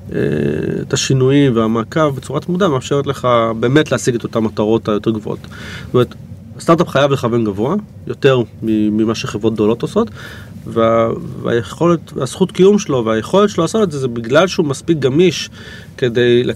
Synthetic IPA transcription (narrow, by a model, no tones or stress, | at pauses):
ḛḛtaʃinujimveamakavbet͡suʁatmudameaːfʃe̞ʁet̪le̞χabe̞ːme̞tleasiɡeto̞tamːataʁo̞tajo̞te̞ʁɡvoo̰tstomeet̪ | st̪aʁt̪̬apχajavle̞χave̞nɡavo̞a | jo̞te̞ʁmimimaʃeχevʁo̞t̚d̪olo̞toso̞t | veava̰jeχo̞letvasχutkijumʃelo̞veajeχo̞ltʃeloaːsotetzezebiɡlalʃeumaspik̚ɡamiʃ | ke̞de̞jle